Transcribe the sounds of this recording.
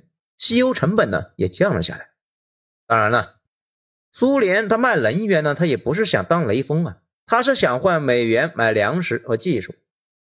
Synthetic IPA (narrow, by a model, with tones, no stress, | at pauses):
ɕi˥jo˥ʊʈ͡ʂʰɤ˧˥ŋpə˨˩nnə̰˦jɛ̰˨˩t͡ɕ̪ʰjɑ˥˩ŋlə̰˩ɕja̰˥˩la˧˦ɪ | t̪ɑ˥ŋɻa˧˥nə˧ | su˥ljɛ˧˥nt̪ʰa˥ma˥˩ɪlə˧˥n˥ɥɛ˧˥nə˧t̪ʰa˥jɛ˨˩pu˧˥ʂ̬ɻ̩˥˩ɕjɑ̰˨˩ŋt̪ɑ˥ŋle˧˥ɪfɤ˥ŋɐ˨ | t̪ʰa˥ʂ̬ɻ̩˥˩ɕjɑ˨˩ŋxwa˥˩nme˨˩ɪɥɛ˧˥nma˨˩ɪljɑ˧˥ŋʂɻ̩˧˥xɤ˧˥t͡ɕi˥˧ʂu˥˩